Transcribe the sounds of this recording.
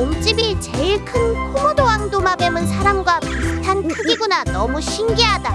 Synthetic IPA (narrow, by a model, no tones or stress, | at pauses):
omt͡ɕ͈ibit͡ɕeɭkʰɯnpʰumodowaŋdomabemɯnsʰaɾamɡwapitʰankʰɯɡiɡunanʌmuɕʰinɡiɦada